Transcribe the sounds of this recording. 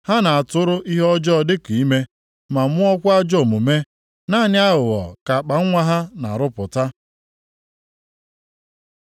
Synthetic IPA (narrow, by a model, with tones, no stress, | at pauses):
ha˦na˨a˨tʊ˦ɾʊ˦ʔi˦ɦɔ˦d͡ʒɔ˦˨dɪ˦ki˨i˦me˦ | ma˨m˦ʊ˦ɔ˦kʷa˦d͡ʒɔ˦˨mʊ˨me˦ | na˦˨nɪ˦a˦ɦʊ˨ɣɔ̰˨ka˨k͡pa˨ŋ̩˦ŋʷa˦ɦa˦na̰˨ɾʊ˦pʊ˨ta˦